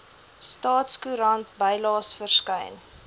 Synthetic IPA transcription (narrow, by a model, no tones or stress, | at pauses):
stɑːtskuɾɐntbəjlɑːsfərskəjn